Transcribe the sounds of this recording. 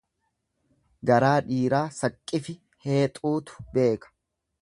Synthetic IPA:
ɡɐɾaːᶑiːɾaːsɐkʼːɪfɪ | he̞ːt̪ʼuːt̪ʊ̥be̞ːkɐ̥

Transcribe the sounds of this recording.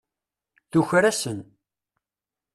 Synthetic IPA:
θuçɾæsən

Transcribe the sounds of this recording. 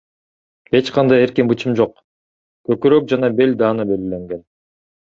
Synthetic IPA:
e̞t͡ʃqʰɑnd̪ɑje̞ɾkinbɯt͡ʃɯmd͡ʒo̞q | køkyɾøk̚d͡ʒɑnɑbe̞lʲd̪ɑːnɯbe̞lɡile̞ŋɡe̞n

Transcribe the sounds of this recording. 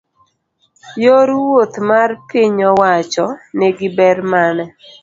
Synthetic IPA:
joɾwot̪marpiɲɔwat͡ʃɔneɡɪbɛɾmanɛ

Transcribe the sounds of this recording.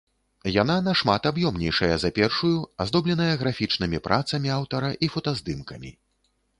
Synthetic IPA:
jan̪anɐʂmat̪abjɔmnʲɛjʂɐjɐzɐpʲɛrʂujuazd̪ɔblʲɛn̪ɐjɐɣɾafʲit͡ʂnɨmʲipɾʔat̪sɐmʲiawt̪ɐɾɐʔifɐt̪azd̪ɨmkɐmʲḭ

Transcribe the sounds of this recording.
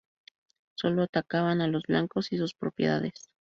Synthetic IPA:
so̞lo̞at̪akaβanalo̞zβlaŋko̞sisuspɾo̞pjḛða̰ðe̞s

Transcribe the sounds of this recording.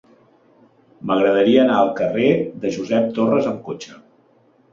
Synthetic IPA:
məɣɾəð̞əɾiəːnaəlˠkəreðəʒuzɛp̚t̪orəzəmkot͡ʃə

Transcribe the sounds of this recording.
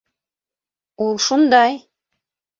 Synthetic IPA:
ulˠʃund̪ɑj

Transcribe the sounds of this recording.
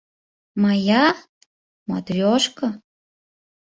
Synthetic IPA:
mɑjɑ | mɑ̰t̪rʲoʃkɤ̆

